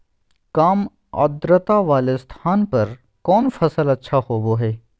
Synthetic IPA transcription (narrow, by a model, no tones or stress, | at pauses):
kaːm | ɐ̰d̪ɾət̪aʋaːlest̪ʰaːnpɐɾ | kɔːnfɐsəlɐtːʃʰahoːboɦɛː